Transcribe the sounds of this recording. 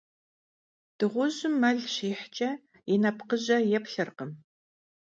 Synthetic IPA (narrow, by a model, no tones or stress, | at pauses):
d̥ɨʁʷʊʑɪmːɐɮɕiːħt͡ʃʼɐ | jɪnɐpqəʑɐjɛpɬɨrqəm